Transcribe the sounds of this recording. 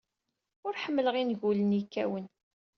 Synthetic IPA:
ʊɾħəmːələʁinʝulənjikːæwən

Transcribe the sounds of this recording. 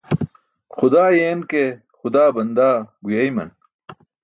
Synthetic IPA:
xʊd̪aːjeːnke | xʊd̪aːbɐnd̪aːɡujɐjmɐ̰n

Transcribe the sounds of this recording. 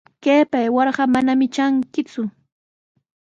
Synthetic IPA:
keːpajwɑɾɢɑmanamɪt͡ʃaŋkɪt͡sʊ

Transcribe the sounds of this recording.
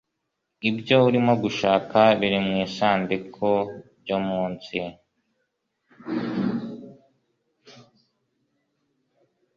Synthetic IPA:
ibɟo̞uɾimoɡuʃaːkaβiɾimŋiːsaːndikʰoɾɟomuːnsi

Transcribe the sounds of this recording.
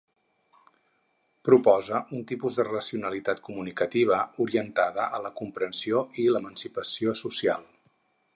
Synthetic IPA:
pɾupɔzəʔunt̪ipuzðərəsiunəlit̪at̪kumunikət̪iβ̞əuɾiənt̪aðəʔələkumpɾənsioiləmənsipəsiosusia̰lˠ

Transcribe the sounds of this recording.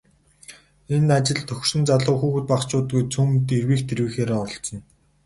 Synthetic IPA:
enat͡ɕɪ̆ɮt̪ʰɵxʲʃɘ̆nt͡saɮʊːxuːxɘ̆t̪̚paχt͡ɕʊːt̪ɡujt͡sʰumt̪erwiːkt̪ʰeɾwɘːxeːɾaːɔɞ̆ɬt͡sɞ̆n

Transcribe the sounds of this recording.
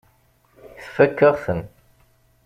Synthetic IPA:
θfækːəʁθən

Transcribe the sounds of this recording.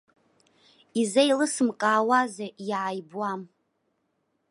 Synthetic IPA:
izejlɨsɨmkʼaːwazajaʕajbwam

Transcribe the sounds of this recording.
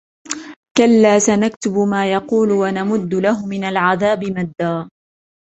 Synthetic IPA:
kalːaːsanakt̪ʊbʊmaːjɑquːlʊwanamʊd̪ːʊlahʊmɪnalʕaðaːbɪmad̪ːaː

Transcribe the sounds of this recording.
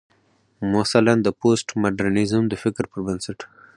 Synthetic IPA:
mʊsaland̪əposʈmaɖaɾnizumd̪əfɪkɾpəɾbənsaʈ

